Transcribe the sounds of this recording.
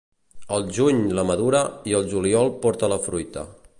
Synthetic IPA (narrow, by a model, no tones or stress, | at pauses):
əlˠʒuɲləməðuɾəiəlˠʒuliɔlˠpɔɾt̪ələfɾujt̪ə̰